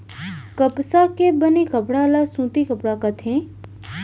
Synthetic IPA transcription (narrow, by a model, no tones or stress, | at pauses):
kəpsakebənikəpɽalasũːt̪ikəpɽakət̪ʰẽ